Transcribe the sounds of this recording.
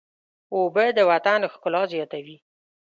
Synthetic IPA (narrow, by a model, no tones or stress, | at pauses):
obəd̪əwat̪anxkʊlɑzjɑt̪awi